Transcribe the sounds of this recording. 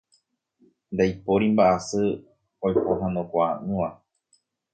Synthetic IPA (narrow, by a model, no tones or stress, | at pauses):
nd̪ajpoɾimbaʔasɨ | ojpoɦãnõkʷaʔɨ̃ʋa